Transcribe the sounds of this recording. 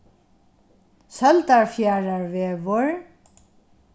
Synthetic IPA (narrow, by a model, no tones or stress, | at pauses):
sœlt̪aɹfjaːɹaɹveːvʊɹ